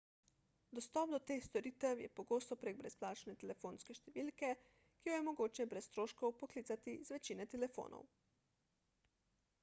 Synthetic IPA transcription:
d̪ɔst̪ɔːp̚d̪ɔt̪eːxst̪ɔɾiːt̪ɛwjɛ̰pɔɡoːst̪ɔpɾeɡ̚bɾɛsplaːt͡ʃnɛt̪ɛlɛfonskɛʃt̪ɛʋiːlkɛ | kijɔjɛmɔɡoːt͡ʃɛbɾɛst̪ɾoːʃkɔwpɔkliːt̪sat̪izʋɛt͡ʃiːnɛt̪ɛlɛfo̰ːnʔɔ̰w

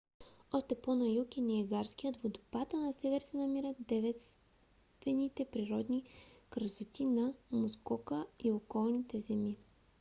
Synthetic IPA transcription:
ɔʃt̪ɛponɐjukʲiniɛɡaɾskijət̪vod̪obat̪ənɐsɛvɛɾsɛnɐmiɾəd̪ɛvɛt̪s | t̪vɛnit̪ɛpɾiɾɔd̪nikɾəsot̪inɐmʊskɔkəiokɔlˠnit̪ɛzɛmi

